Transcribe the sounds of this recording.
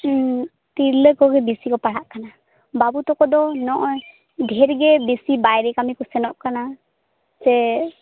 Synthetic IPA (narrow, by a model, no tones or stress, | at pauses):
t̪iɾləkɔɡɛbisikɔpaɽaʔkana | babut̪ɔkɔd̪ɔnɔʔɔ | ɡʱɛɾɡɛbesibajɾɛkamikɔsɛnɔʔkana | sɛ